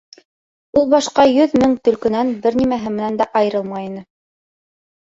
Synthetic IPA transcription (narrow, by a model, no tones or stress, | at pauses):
ulˠbɑʃqɑjɵðmɘŋt̪ɵ̆lkɵ̆nænbɘɾnimæɦɘmɘ̆nænd̪æʔɑjɤ̆ɾɤlˠmɑjinɤ